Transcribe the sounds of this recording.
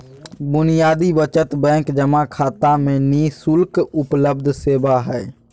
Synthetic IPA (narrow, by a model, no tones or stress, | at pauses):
bʊnɪjaːd̪ibət͡ʃət̪bɛ̃ːŋkd͡ʒəmakʰaːt̪amẽniːsʊlkʊpləb̚d̪ʱseːbaɦɛː